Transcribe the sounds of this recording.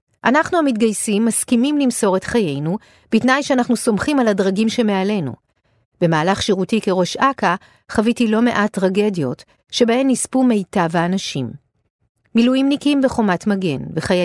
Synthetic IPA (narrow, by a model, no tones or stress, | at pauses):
ʔanaχnuamit̚ɡajsimːaskimimlimso̞ʁe̞tχaje̞jnu | b̥itnajʃeanaχnuso̞mχimaladʁaɡimʃe̞me̞ale̞nṵ | b̥e̞maːlaχʃiʁutike̞ʁo̞ʃaka | χavitilo̞me̞ʔatʁaɡe̞djo̞t | ʃe̞bahe̞mnispume̞jtaveanaʃimː | ilujimnikimbeχo̞matmaɡe̞̰nveχaja